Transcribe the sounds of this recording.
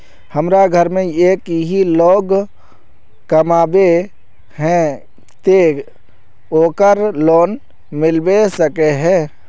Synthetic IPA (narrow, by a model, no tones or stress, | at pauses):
həmɾaɡʱəɾmẽeːkɦiloːɡ | kəmaːbe | ɦɛ̃ | t̪eː | oːkəɾloːn | mɪlbesəkeɦɛ̃ː